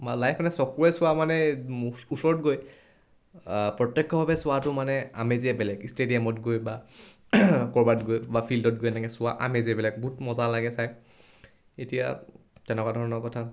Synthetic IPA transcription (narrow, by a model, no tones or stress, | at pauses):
malajpʰmanɛsɔkuɹɛsʊwamanɛ | usɔɹɔtɡoj | pɹɔtːɛkʰːɔbʱabɛsʊwatʊmanɛa̰meziɛbɛlɛɡistedijamɔtɡojba | kɔɹbatɡojbapʰildɔt̚ɡojnaɡɛsʊwaʔa̰meziɛbɛlɛɡ̚ɡutmɔzalaɡɛsaj | etija̰ | tɛnɛkwadʱɔɹɔnɔkɔtʰa